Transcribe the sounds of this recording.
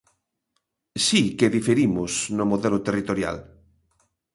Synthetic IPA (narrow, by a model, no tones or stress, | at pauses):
sikeðifeɾimʊsnomoðelot̪erit̪oɾja̰l